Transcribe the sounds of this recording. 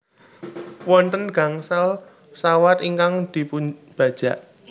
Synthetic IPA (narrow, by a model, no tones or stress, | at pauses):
wɔnt̪ənɡ̥ä̤ŋsal | sawat̪iŋkaŋd̪̥i̤puɲb̥a̤d̥ʒ̥ä̤ʔ